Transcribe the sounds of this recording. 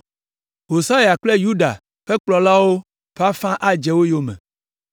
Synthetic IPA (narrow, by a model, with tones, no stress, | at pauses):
ɦo˨sa˦ja˨k͡plɛ˦ju˦ɖa̰˨ | ɸɛ˦k͡plɔ˨la˦wo˦ | ɸa˦fã˦ʔa˦d͡ʒɛ˨wo˦jo˦mɛ̰̃˨